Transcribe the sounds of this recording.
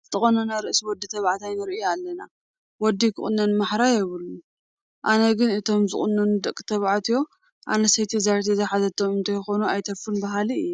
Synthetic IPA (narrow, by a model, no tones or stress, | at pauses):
zɨt̪ʼɨχʼonɐnaɾɨʔsiwɔd̪ːit̪ʰɐβʕat̪ʰajnɨɾiʔɨjoalːɐna | wɔd̪ːikʰɨ̰χʼɨnːɐnmaħɾajɛβɨlu | ʔanɐɡɨnɨt̪ʰo̞mzɨ̰χʼɨnːɐnɨd̪ɐkʼːɨ̥t̪ʰɐβʕat̪ʰijo̞ | ʔa̰nɐsɐjt̪ʰizaɾt̪ʰizɐħazɐt̪ʰːomɨnt̪ʰɐjxonuajt̪ʰɐfunbɐɦaliɨjːu